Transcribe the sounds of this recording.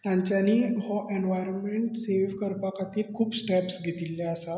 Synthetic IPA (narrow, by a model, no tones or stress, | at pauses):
t̪jãɲt͡ɕjaniːɦɔʔeɳʋajɾnmeɳʈselʋkəɾpakat̪iːlkʰuːpsʈɛpsɡʱet̪ilːeəsa